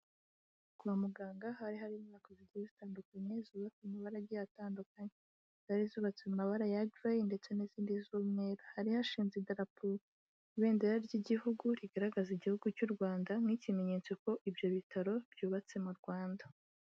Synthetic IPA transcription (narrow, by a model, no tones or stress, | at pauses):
kuβamuɡaːŋɡaɦaɾiɦaɾimakoziɟizitaːndukaɲezuːβat͡simaβaɾaɟijataːndukaɲe | z̥aɾizuːβat͡semaβaɾajavajinde̞t͡se̞niziːndizumŋeːɾahaɾihaʃiːnzidaɾapu | βeːndeɾaɾɟiɟihuɡuɾiɡaɾaɡaziɟihuɡucuɾɡwaːndamŋicime̞ɲe̞ːt͡so̞ko̞ʔibjo̞βitʰaɾo̞b̥juːβat͡se̞muɾɡwaːnda